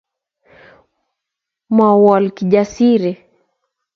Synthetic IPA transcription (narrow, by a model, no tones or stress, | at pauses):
mawalkiʄasiɾɛ